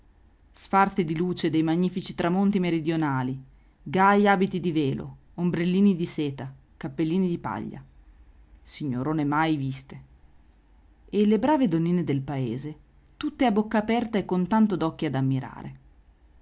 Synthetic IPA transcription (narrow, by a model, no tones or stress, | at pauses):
sfart̪θed̪iluːt͡ʃed̪ejmaɲːiːfit͡ʃit̪ɾamont̪imeɾid̪jonaːli | ɡajaːbit̪id̪iveːlo̰ | ombɾelːiːnid̪iseːt̪a | kapːelːiːnid̪ipa̰ʎːa̰ | siɲːoɾoːnemajvist̪e | elːebɾaːved̪onːiːned̪elpaeːze | t̪ut̪ːeabːokːaːpɛrt̪aekːont̪ant̪od̪ɔkːiad̪amːiɾa̰ːɾḛ